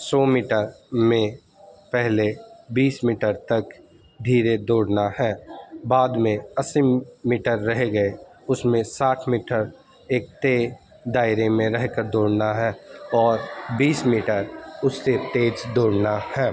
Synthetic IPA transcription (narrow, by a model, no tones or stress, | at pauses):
sɔːmiːʈəɾmẽ | pɛɦlebiːsmiːʈəɾt̪ɐk | d̪ʱiːɾed̪oːɽnahɛ̃ːbaːd̪mẽɐsimiːʈəɾːɐɦeɡəe | ʊsmẽsaːʈʰmiːʈəɾ | eːk̚t̪e | d̪aːɪɾemẽɾɛɦkəɾd̪oːɽnaɦɛːɔːɾbiːsmiːʈəɾʊsːet̪eːd͡ʒd̪oːɽnahɛː